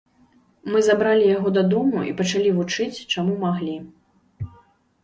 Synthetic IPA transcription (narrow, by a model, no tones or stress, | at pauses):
mɨzabɾalʲijaɣɔd̪ɐd̪ɔmṵʔḭpɐt͡ʂalʲivut͡ʂɨt͡sʲt͡ʂamumaɣlʲi